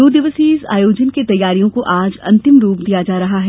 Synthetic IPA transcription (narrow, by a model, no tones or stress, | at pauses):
oːd̪ɪʋəsisa̰ːjoːd͡ʒənket̪ɐjːaːɾijõkoʔaːd͡ʒɐ̰̃nt̪ɪmɾuːp̚d̪ijad͡ʒaːɾɐɦaɦɛː